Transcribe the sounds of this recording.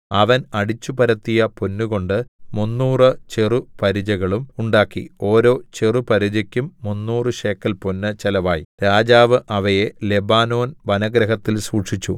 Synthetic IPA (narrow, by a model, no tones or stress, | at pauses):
ɐʋɐnɐɽit͡ɕːupɐɾɐt̪ːijɐponːuɣo̞ɳɖɨmunːuːrɨt͡ɕerupɐɾid͡ʑɐɣɐɭumuɳɖaːkːḭo̞ːɾo̞ːt͡ɕerupɐɾid͡ʑɐkʲːumːunːuːrɨɕe̞ːkːɐlponːɨt͡ɕelɐʋaːjḭɾaːd͡ʑaːʋɨʔɐʋɐje̞lebaːno̞ːnʋɐnɐɡɾɐɦɐt̪ːilsuːʈʂit͡ɕːṵ